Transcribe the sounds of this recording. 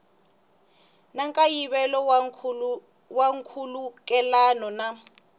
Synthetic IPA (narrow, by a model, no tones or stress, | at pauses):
naŋkʼajiβɛlɔ | waŋkʰulukʼɛlanɔna